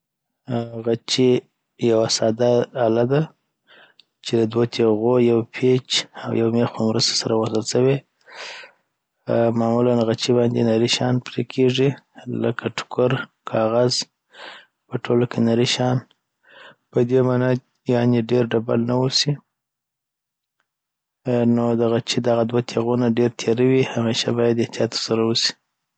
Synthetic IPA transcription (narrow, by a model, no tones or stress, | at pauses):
ɣat͡ʃi | jawasɑd̪aːlad̪a | t͡ʃed̪əd̪wot̪ʰeɣojawpʰet͡ʃawjawmexpəmɾəst̪ḁsaɾawazəlsawe | mɑmulanɣat͡ʃibɑnd̪enaɾiʃɑnpɾekʰeʐilə̰kʰaʈʰʊ̥kʰʊɾ | kʰɑɣaz | pəʈolokʰenaɾiʃɑn | pəd̪emɑna | jɑneɖeɾɖaba̰lnawusi | nod̪aɣat͡ʃid̪aɣad̪wat̪ʰeɣunaɖeɾt̪ʰeɾawihameʃa̰bɑjad̪ɪht̪ijɑt̪ːə̥ɾsaɾawusi̥